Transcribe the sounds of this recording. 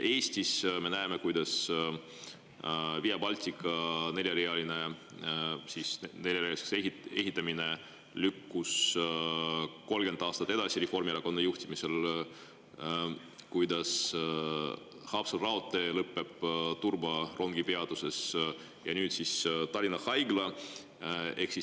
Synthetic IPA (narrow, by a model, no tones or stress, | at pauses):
ʔe̞ːsʲt̪isme̞næemekujd̪ɑs | vijɑbɑlʲt̪ʲikːˑɑne̞lʲjɑɾeɑlʲine | sisne̞lʲjɑɾeɑlise̥seɦie̞ɦit̪ːˑɑmine̞ | lykːus | ko̞lɡ̥e̞nd̪ɑːst̪ɑt̪ːˑe̥ɑsirefo̞rmieɾɑko̞nɑjuht̪imise̞l | kujd̪̥ɑs | hɑːpsɑlrɑo̞t̪ːˑe̞lɤpːe̞b̥t̪urbɑrʔo̞ŋɡ̥ipeɑd̪use̞s | jɑ̰nyːdt̪sist̪ɑɾʲinɑhɑjɡlɑ | e̞ksi